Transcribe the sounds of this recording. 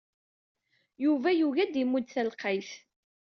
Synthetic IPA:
juvæjuʝæd̪imːud̪θælqəjθ

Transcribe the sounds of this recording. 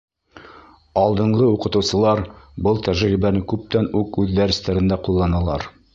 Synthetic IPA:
ɑlˠd̪ɤ̆ɴɢɤuqɤ̆t̪ɤ̆wsɤ̆lˠɑɾbɤlˠt̪æʒɾibænɘkʉp̚t̪ænʉkʉðːæɾɘ̆st̪æɾɘ̆nd̪æqulˠːɑnɑlˠɑɾ

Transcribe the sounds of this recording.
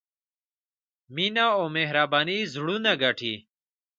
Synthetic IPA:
minaːomeɦɾaːbaːnizuɽunaɡaʈʰiː

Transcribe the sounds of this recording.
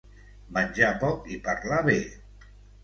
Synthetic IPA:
manʲʒapɔkipaɾlaβe

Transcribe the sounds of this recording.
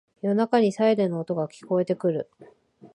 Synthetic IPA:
jo̞nakaɲ̟isaeɾenoːt̪o̞ɡakʲi̥ko̞e̞t̪e̞kɯ̟ɾɯ̟

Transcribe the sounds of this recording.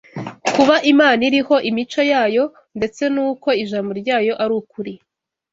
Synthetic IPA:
kuβaʔimaːniɾiho̞ʔimit͡ʃo̞jaːjo̞ | nde̞t͡se̞nuːko̞iʒamboɾɟaːjo̞ʔaɾuːkuɾi

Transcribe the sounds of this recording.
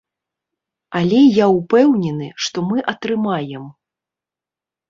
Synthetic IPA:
alʲɛjaupɛwnʲɛnɨʂt̪ɔmɨʔɐt̪ɾɨmajɛm

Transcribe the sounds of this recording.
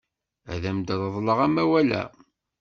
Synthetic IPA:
æ̰ðæmd̪əðˤðˤləʁæmæwælæ̰

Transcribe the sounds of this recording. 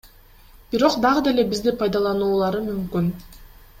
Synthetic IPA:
b̥iɾo̞qd̪ɑʁɯd̪e̞le̞bizd̪ipʰɑjd̪ɑlˠɑnuːlˠɑɾɯmymkyn

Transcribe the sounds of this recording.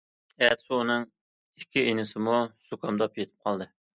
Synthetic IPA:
ɛt̪suːnɨŋ | ɪkʲʰːiʔenɪsɪmusukʰɑmd̪ɑpjet̪ʰɪ̥p̚qʰɑlˠd̪ɨ

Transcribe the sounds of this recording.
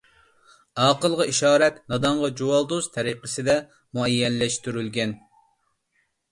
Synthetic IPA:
ɑːqəlˠʁɑiʃɑːɾɛt̪nɑd̪ɑɴʁɑd͡ʒuwɑlˠd̪ozt̪ʰɛɾiqʰəsɨd̪ɛ | muɛjːɛnlɛʃt̪yɾylɡʲɛn

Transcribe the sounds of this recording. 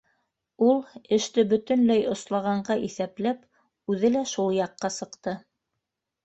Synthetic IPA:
ulˠɘ̆ʃt̪ɘbɵ̆t̪ɵ̆nlæjŏslˠɑʁɑɴɢɑʔiθæplæp | ʉðɘlæʃulˠjɑqːɑsɤ̆qt̪ɤ

